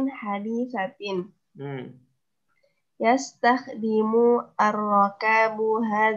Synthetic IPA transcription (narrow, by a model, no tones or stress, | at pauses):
nħad̪iθat̪ɪn | jast̪axd̪ɪmuʔarˤːɑkaːbɦaː